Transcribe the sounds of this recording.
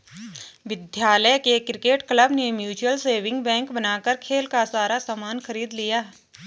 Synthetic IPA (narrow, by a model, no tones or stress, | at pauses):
ʋɪd̪ʱjaːləjkekɾɪkeːʈkləbnemjuːt͡ʃuəlseːʋɪ̃ŋɡbɛ̃ːŋkbɐnaːkəɾkʰeːlkasaːɾasaːmaːnxəɾiːd̪lɪjaː